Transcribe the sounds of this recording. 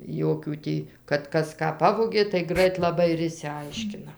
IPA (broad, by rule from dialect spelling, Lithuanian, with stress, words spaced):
ˈjoːkʲuː tʲiː kɐt ˈkɐs ˈkɑː ˈpɑːʋoːɡʲeː tɐɪ ˈɡrɐɪt lˠɐˈbɐɪ ɪr ɪʃʲsʲɪˈɐɪʃʲkʲɪnɐ